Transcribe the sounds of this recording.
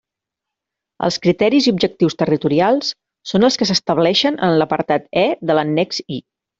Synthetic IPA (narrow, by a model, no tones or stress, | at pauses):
ə̰lˠskɾit̪ɛɾiziubd͡ʒək̚t̪iwst̪ərit̪uɾialˠsː | onəlˠskəsəst̪əβ̞lɛʃənʔə̰nləpəɾt̪at̪ɛðələnːɛkzi